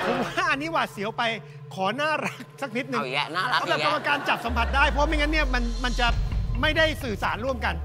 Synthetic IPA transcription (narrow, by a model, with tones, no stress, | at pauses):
pʰo˨˦waː˥˩ʔa˧nːiː˦˥waː˨˩t̪̚si˩˦əwpa˧j | kʰɔː˩˦naː˥˩ɾa˦˥k̚sa˨˩k̚ni˦˥t̪̚nɯ˨˩˨bɛː˨˩ka˧˩ko˨˩kaː˧nt͡ɕa˨˩p̚sa˩˦mpʰa˨˩t̪̚daː˥˩jpʰɔ˦˥mi˧ŋa˦˥nːi˥˩əma˧nma˧nt͡ɕa˨˩ma˥˩jda˥˩jsɯː˨˩saː˩˦nɾu˥˩əmka˧n